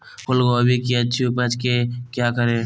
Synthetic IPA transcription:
kolɡoəbʱikiəːʃʰiupət͡ʃkekjaːkəɾe

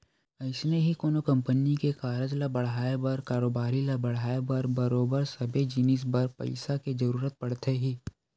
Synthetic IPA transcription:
ɐɪsneɦikoːnokɐ̃mpənikekaːɾəd͡ʒlabɐɽ̤aːebɐɾkaːɾoːbaːɾilabɐɽ̤aːebɐɾbɐɾoːbəɾsɐbʱed͡ʒinis̬bɐɾpɐ̰ɪsaked͡ʒɐɾuːɾət̪̚pɐɽt̪ʰeɦiː

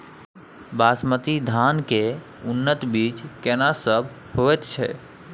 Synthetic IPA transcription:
basmət̪id̪ʱanke | unːət̪bit͡ʃkɛnasəbʱ | hoɛt̪t͡ʃʰɛ̰

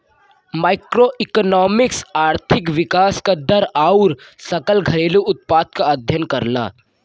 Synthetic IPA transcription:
maːɪkɾoːʔɪknɔːmɪksaːɾt̪ʰɪkʋɪkaːskad̪ɐɾaːʊɾsɐkəlɡʱɐɾeːluʔʊt̪̚paːd̪̚kaɐd̪ʱjənkɐɾna̰ː

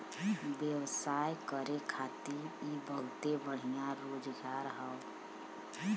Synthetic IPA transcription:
bjəwsaːjkəɾekʰaːt̪iibəlt̪ebəɽ̤ijãɾoːd͡ʒɡaɾɦəʊ

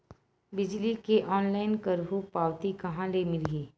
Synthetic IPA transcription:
bɪd͡ʒlikeʔɔːnlaːɪnkəɾbʱupaːwt̪ikɐɦãlemɪliː

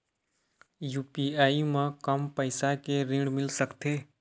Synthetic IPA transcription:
juːpiaːimãkəmpəɪsakeɾɪ̃ɳɖmɪlsəkt̪ʰeː

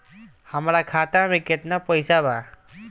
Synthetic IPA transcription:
həmɾakʰat̪amẽket̪napɔjsaba

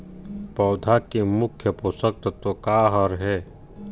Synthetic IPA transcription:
pɔːd̪ʱakimʊkʰːjəposək̚t̪t̪okaːɦəɾɦɛː

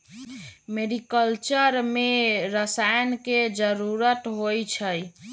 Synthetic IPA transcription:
meɾikəlt͡ʃəɾmeɾəsajnked͡ʒəɾuɾət̪ɦojt͡ʃʰəj

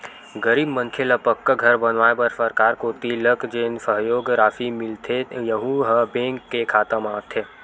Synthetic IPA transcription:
ɡəɾiːbmɐ̃ŋkʰelɐpəkːaɡʱɐɾbɐnʋaːebɐɾsəɾkaːɾkoːt̪iləkd͡ʒeːnsəɦjoːɡɾaːfimɪlt̪ʰejəɦũɦəbẽːŋkːekʰaːt̪əmaːt̪ʰeː

